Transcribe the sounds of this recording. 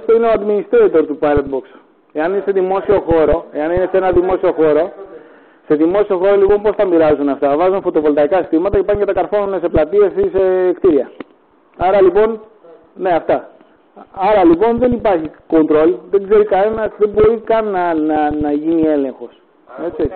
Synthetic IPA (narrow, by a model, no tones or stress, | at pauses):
ft̪oineoɐd̪minist̪eit̪eɾot̪upɐɾend̪̚bo̞ks | e̞ɐninese̞ðimo̞sio̞xo̞ɾo̞e̞ɐninese̞nɐðimo̞sio̞xo̞ɾo̞ | se̞ðimo̞sio̞xo̞ɾo̞lipo̞mpo̞st̪ɐmiɾɐzunɐft̪ɐvɐzunfo̞t̪o̞vo̞lt̪ɐikɐsist̪imɐt̪ɐce̞pɐncet̪ɐkɐɾfo̞nunese̞plɐt̪ie̞sise̞kt̪iɾiɐ | ɐɾɐlipo̞n | ne̞ɐft̪ɐ | ɐɾɐlipo̞nðe̞nipɐɾçiko̞nt̪ɾo̞lðe̞ɡze̞ɾikɐne̞nɐsðe̞bo̞ɾikɐnːɐnɐnɐʝinie̞le̞ŋxo̞s | e̞t͡si